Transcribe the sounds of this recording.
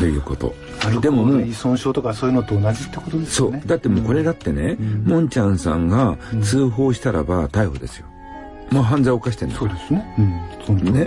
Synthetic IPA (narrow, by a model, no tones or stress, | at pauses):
t̪o̞jɯ̟ːko̞t̪o̞̰ | d̪e̞mo̞moːisõɰ̃ɕo̞ːt̪o̞kasoːjɯ̟not̪oːnad͡ʑit̪ːekot̪od̪eso̞ːd̪at̪ːe̞mo̞ːko̞ɾe̞d̪at̪ːe̞ne̞mõ̞ɲ̟t͡ɕãɰ̃sã̰ŋɡat͡sɨːɦo̞ːɕi̥t̪aɾa̰bat̪aiho̞̰d̪e̞̰sɨ̥jo̞̰ | maɦãnd͡zaiokaɕ̬i̥t̪e̞naod̪esɨnẽ | one̞